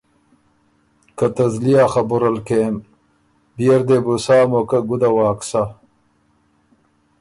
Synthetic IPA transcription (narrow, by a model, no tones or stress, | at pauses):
kɐt̪ɐzlijaxɐbuɾɐlkem | bijɐɾd̪ebusaːmokɐɡud̪ɐwaːksa